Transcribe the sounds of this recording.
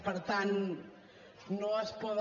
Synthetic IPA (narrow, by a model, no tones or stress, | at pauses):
pɐɾt̪anu | nɔspɔð